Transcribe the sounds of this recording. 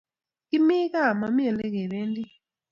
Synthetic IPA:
i˦mi˦ka˦˨ma˨mi˦ɛ˨lɛ˦k̬ɛ˨βeː˦ndi˦

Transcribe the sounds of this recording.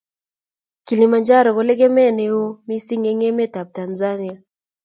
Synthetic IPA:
kilimand͡ʒaɾɔ˨ɣɔlɛ˦ɡɛ˦mɛ˦nɛ˨ɔ˦mi˦si˦ŋɛŋɛ˦mɛ˦ta˨p̚tanzania˨

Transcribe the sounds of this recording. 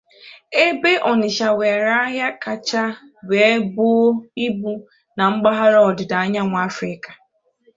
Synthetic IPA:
e˦be˦ʔɔ˨nɪ˨ʃa˨we˨ɾa˦ɦja˦ka˨t͡ʃa˦ | be˨˦bʊ˦o˦i˦bu˦ | na˨ŋ͡m̩˦ɡ͡ba˦ɦa˦ɾɔ˨dɪ˨da˨a˦ɲa˦ŋʷ˨a˦fɾɪ˦kḁ˨

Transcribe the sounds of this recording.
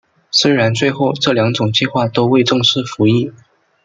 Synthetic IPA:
swe˥ɻa˧˥nt͡swe˥˧ɪxo˥˩ʊʈ͡ʂɤ˥˩ljɑ˧˥ŋʈ͡ʂʊ˨˩ŋt͡ɕi˥˧xwa˥˩t̪o˥ʊwe˥˧ɪʈ͡ʂɤ˥˧ŋʂɻ̩˥˩fu˧˥i˥˩

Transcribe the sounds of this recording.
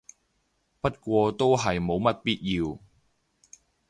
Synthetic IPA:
pɐ˥t̚kʷɔː˧t̪o˥wɦɐ˨jmo˨˧wmɐ˥t̚piː˥t̚jiː˧w

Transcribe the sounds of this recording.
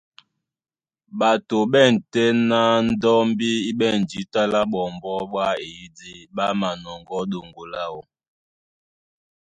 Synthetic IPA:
ɓa˨to˨ɓɛ˦˨n̩˨tɛ˦na˦n̩˦dɔ˦m˦bi˦i˦ɓɛ˦˨n˨d͡ʒi˨˦ta˦la˦ɓɔ˨mbɔ˦ɓwa˦e˨i˦di˦ɓa˦ma˨nɔ˨ŋɡɔ˨˦do˨ŋɡo˨la˦o˨

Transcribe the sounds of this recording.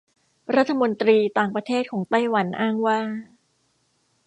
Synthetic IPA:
ɾa˦˥t̪ʰːa˧mo˧nt̪ɾiː˧t̪aː˨˩ŋpɾa˧t̪ʰeː˥˩t̪̚kʰɔː˩˦ŋt̪a˥˩jwa˩˦nʔaː˥˩ŋwaː˥˩

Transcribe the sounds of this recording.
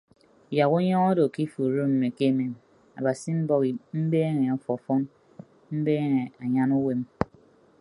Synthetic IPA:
ja˨ɣu˦ɲɔ˦ŋɔ˦do˨ki˦fu˨ɾo˦m̩˨me˨ke˦me˨m | a̰˨ba˨si˦m̩˦bɔ˦ɣi˨m̩˦beː˦ŋe˨ɔ˨fɔ˨fɔ˦n | m̩˦be˦ŋe˨a˨ɲa˦nu˦we˦m

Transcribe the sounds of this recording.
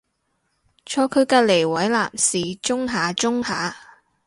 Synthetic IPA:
t͡ʃʰɔː˧kʰɵ˨˧ɥkaː˧le˨˩jwɐ˨˥jla̰ː˨msiː˨t͡ʃʊ˥ŋɦaː˨˧t͡sʊ˥ŋhaː˨˥

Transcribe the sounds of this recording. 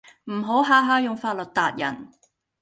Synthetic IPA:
m̩˨˩ɦo˨˥wɦaː˨˥ɦaː˧˥jʊ˨ŋfaː˧t̚lɵ˨t̚t̪aː˨˧t̚jɐ̰˨˩n

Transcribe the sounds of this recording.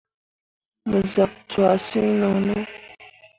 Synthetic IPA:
mu˨za˨ktwa˨si˦nɔ˨nɔ˦

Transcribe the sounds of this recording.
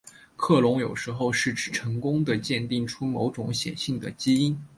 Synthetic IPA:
kʰɤ˥˩lʊ˧˥ŋjo˨˩ʊʂɻ̩˧˥xo˥˧ʊʂɻ̩˥˩ʈ͡ʂʰɻ̩˥˩ʈ͡ʂʰɤ˧˥ŋkʊ˥ŋd̪ə˨t͡ɕjɛ˥˧nt̪i˥˩ŋʈ͡ʂʰu˥mo˧˥ʊʈ͡ʂʊ˧˥ŋɕjɛ̰˨˩nɕi˥˩ŋd̪ə˩t͡ɕi˥i˥n

